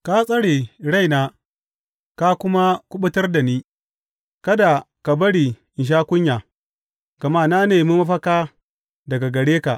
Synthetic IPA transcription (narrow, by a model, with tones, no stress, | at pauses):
ka˦sʼɐ˦ɽeː˨ɽa˦jnaː˦ | ka˦kʷʊ˦ma˦kʷʊ˦ɓʊ˦tɐ˦rda˨niː˦ | kɐ˦da˨ | ka˨bɐ˦ɽi˨ʔɪ˨nʃ̬aː˦kʷʊ˦ɲjaː˨ | ɡ̥ɐ˨ma˦˨na˦neː˨mu˦mɐ˦ɸɐ˦kaː˦ | dɐ˨ɡa˨ɡɐ˨ɽeː˦ka˨ʔ